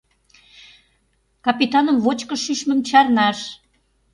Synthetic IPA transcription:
kɑpit̪ɑnəmvot͡ɕkə̆ʃyʃmə̆mt͡ɕɑrnɑʃ

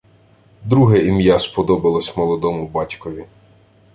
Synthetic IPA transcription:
d̪ɾuɦɛimjaspɔd̪ɔbɐlˠɔsʲmɔlˠɔd̪ɔmʊbɑtʲkɔʋʲi

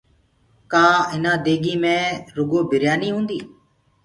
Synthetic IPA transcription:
kaːɪnãːd̪eːɡiːmẽːɾʊɡoːbʱɪɾjaːniːɦũːnd̪iː

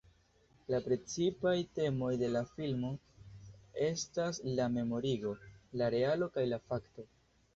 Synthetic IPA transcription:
lapɾe̞t͡sipajte̞mo̞jde̞lafilmo̞ | e̞staslame̞mo̞ɾiɡo̞laɾe̞alo̞kajlafakto̞

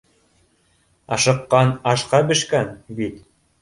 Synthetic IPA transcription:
ɑʃɤ̆qːɑnɑʃqɑbɘ̆ʃkænbit̪

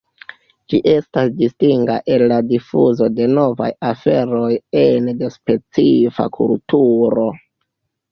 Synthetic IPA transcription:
d͡ʒiʔe̞stasdistiŋɡa̰ʔe̞lːadifuzo̞de̞no̞va̰jafe̞ɾo̞jendespe̞t͡sifa̰kʰṵltuɾo̞

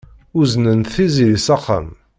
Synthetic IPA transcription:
ʊznənt̪θizilisɑqːə̰m

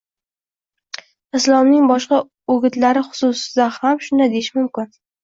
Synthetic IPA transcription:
ɪslˠɒmnɪŋbɒʃqɑ | oɡʲɪt̪laɾɪχʊ̥sʊsɪd̪ahamʃʊnd̪ad̪ejɪʃmʊmkʲɪn

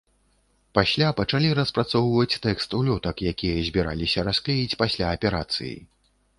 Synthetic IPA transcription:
pasʲlʲapɐt͡ʂalʲiɾɐspɾat̪sɔwvɐt͡sʲt̪ɛkst̪ulʲɔt̪ɐkjakʲijɐzʲbʲiɾa̰lʲisʲɐɾasklʲejit͡sʲpasʲlʲaːpʲɛɾa̰t̪sɨ̰jḭ

